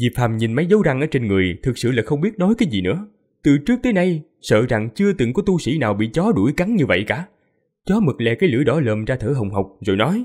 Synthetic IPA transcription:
vi˨˩p̚faː˨˩mɲi˨˩nma˨˦jzə˨˦wza˧ŋʔəː˧˦t͡ɕe˧nŋɨ˨˩əjt̪ʰɨ˨˩k̚sɨ̰˧˨laː˨˩xə˧wŋ͡mɓi˦˥ət̚nɔ˨˦jkaː˨˦jzi˨˩nɨ̰˧˥ə | t̪ɨ˨˩t͡ɕɨ˦˥ək̚t̪əː˨˦jna˧j | sə̰ː˧˨za˨˩ŋt͡ɕɨ˧ət̪ɨ˨˩ŋkɔ˨˦t̪u˧sḭ˧˩naː˨˩wɓḭ˧˨t͡ɕɔ˨˦ɗu˧˩jka˨˦ŋɲɨ˧və̰˧˨jkaː˧˩ | t͡ɕɔ˨˦mɨ˨˩k̚lɛ̰˧˨˩kaː˨˦jlɨ̰˧˥jɗɔ˨˦ləː˨˩mzaː˧t̪ʰəː˧˩ɦə˨˩wŋ͡mhə˨˩wk͡p̚zo̰˨˩jnɔ˨˦j

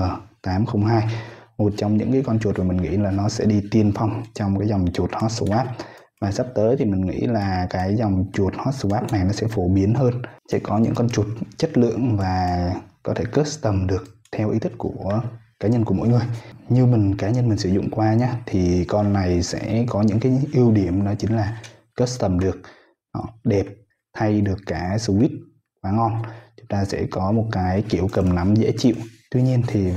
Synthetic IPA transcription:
əː˨˩t̪aː˨˦mxə˧wŋ͡mɦaː˧jmo˨˩t̚t͡ɕɔ˧wŋ͡mɲɨ̰˧˥ŋkaː˨˦jkɔ˧nt͡ɕu˨˩ət̚maː˨˩mï̟˨˩ŋḭ˧˥laː˨˩nɔ˨˦sɛ̰˧˥ɗi˧t̪i˧˩ənfa˧wŋ͡mt͡ɕɔ˧wŋ͡mkaː˨˦jzɔ˨˩wŋ͡mt͡ɕu˨˩t̚hɔ˦˥t̚sə˧˩wʔaː˦˥p̚ | vaː˨˩sa˦˥p̚t̪əː˨˦jt̪ʰi˨˩mï˨˩ŋ̟ŋḭ˧˥laː˨˩kaː˨˦jzwŋ͡mt͡ɕu˨˩ət̚hɔ˦˥t̚sə˧˩wʔaː˦˥p̚na˨˩jnɔ˨˦sɛ̰˧˥fo˧˩ɓi˨˦ənɦəː˧nsɛ̰˧˥kɔ˨˦ɲɨ̰˧˥ŋkɔ˧nt͡ɕu˨˩ət̚t͡ɕə˦˥t̚lɨ̰˧˨əŋvaː˨˩kɔ˨˦t̪ʰe˧˩kəː˦˥t̚t̪ə˨˩mɗɨ˨˩ək̚t̪ʰɛ˧wʔḭ˨˦t̪ʰi˦˥k̚ku˧˩ə | kaː˨˦ɲə˧nku˧˩mo̰˧˥˦jŋɨ˨˩əjɲɨ˧wmï˨˩ŋ̟kaː˨˦ɲə˧nmi˨˩ŋ̟sɨ˧˩zʊ̰˧˨ŋ͡mkwaː˧ɲaː˧t̪ʰi˨˩kɔ˧nːa˨˩jsɛ̰˧˥kɔ˨˦ɲɨ̰˧˥ŋkaː˨˦jʔi˧əwɗi˧˩əmnɔ˨˦t͡ɕï˨˦ŋ̟laː˨˩ | kəː˦˥t̚st̪ə˨˩mɗɨ˨˩ək̚ | hɔ̰˧˨ɗe˨˩p̚ | t̪ʰa˧jɗɨ˨˩əkːaː˧˩sɨ˧wi˦˥t̚ | xwaː˨˦ŋɔ˧nt͡ɕʊ˨˦ŋ͡mt̪aː˧sɛ̰˧˥kɔ˨˦mo˨˩t̚kaː˨˦jki˧˩əwkə˨˩mna˨˦mzḛ˧˥t͡ɕḭ˧˨wʔt̪wi˧ɲi˧ənt̪ʰi˨˩

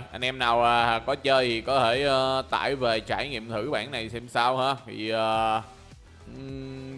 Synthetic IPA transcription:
ʔa˧jn̟ʔɛ˧mna˨˩waː˨˩˨kɔ˨˦t͡ɕəː˧jt̪ʰi˨˩kɔ˨˦t̪ʰe˧˩ʔəː˧t̪a̰ː˧˨jve˨˩t͡ɕa̰ː˧˩jŋḭ˧˨əmt̪ʰɨ˧˩ɓa̰ː˧˩˨nːa˨˩jsɛ˧msaː˧whaː˧t̪ʰḭ˨˩ʔəː˨˩˨

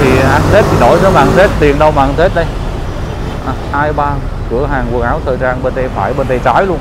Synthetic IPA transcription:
t̪ʰi˨˩ʔa˧nt̪ʰe˦˥t̚t̪i˨˩ɗo̰˧˩jnə˨˦ma̰ː˨˧˨nt̪ʰe˦˥t̚t̪i˨˩ənɗə˧wmaː˨˧nt̪ʰe˦˥t̚ɗə˧j | ʔaː˨˩haː˧jɓaː˧n | kɨ̰˧˩əɦaː˨˩ŋku˨˩əŋʔaː˨˦wt̪ʰəː˨˩jzaː˧nɓe˧nɗə˧jfaː˧˩jɓe˧nɗə˧˩jt͡ɕaː˨˦jlu˧ən

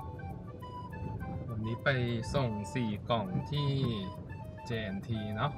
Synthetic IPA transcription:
wa˧nniː˦˥pa˧jso˨˩ŋsiː˨˩kɔ˨˩ŋt̪ʰiː˥˩ | t͡ɕeː˧nt̪ʰiː˧na˦˥p̚

